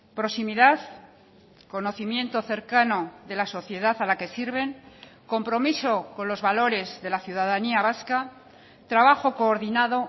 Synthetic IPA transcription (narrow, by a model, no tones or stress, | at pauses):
pɾo̞simiðaθ | ko̞no̞θimjẽ̞nt̪oθe̞ɾkano̞ðe̞laso̞θje̞ðaθalake̞siɾβ̞e̞ŋko̞mpɾo̞miso̞ko̞nlo̞zβalo̞ɾe̞zðe̞laθjuðaðaniaβaska | t̪ɾaβaxo̞ko̞ːɾðinaðo̞